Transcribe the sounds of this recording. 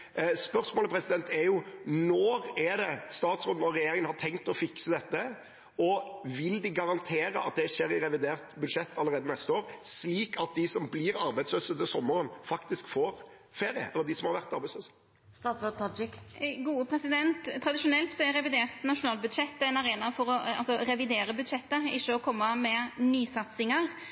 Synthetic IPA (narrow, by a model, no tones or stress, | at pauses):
spœʁsmoːləpʰɾɛsɪd̪ɛnt̪ʰɛɾjʊnɔːɾɛd̪ɛst̪ɑːt̪sɾoːn̩ɔɾːɛjeːɾɪŋənhɑt̪ʰɛŋkt̪ɔfɪksəd̪ɛt̪ːə | ɔʋɪld̪ɪɡɑʁɑnt̪ʰeːɾəɑt̪̚d̪ɛʂeːɾɪɾɛʋɪd̪eːʁt̪bʉd̪ʂɛt̪ʰːɑlːəɾeːd̪ənɛst̪əoːɾsliːkʰɑt̪̚d̪ɪsɔmbliɾɑɾbæɪd̪sløːsət̪əsɔmːəɾənfɑkt̪ɪskfoːɾ | feːɾɪə̰ɛləd̪ɪsɔmhɑɾʋæɾt̪ɑɾbæɪsløːsə̥ | st̪ɑːsøt̪ʰɑd͡ʒɪkɡuːəpʰɾɛsɪd̪ɛnt̪ʰːɾɑd̪ɪʃʊnɛlt̪sɔæɾɛʋɪd̪eːʁt̪nɑʃʊnɑːlbʉd̪ʃɛt̪ːɛɪnɑɾeːnɑfɔɾɔɑ̰lsɔɾɛʋɪd̪eːɾəbʉd̪ʃɛt̪ːəɪçːəɔkʰɔmːɑmɛnyːsɑt̪sɪŋɑɾ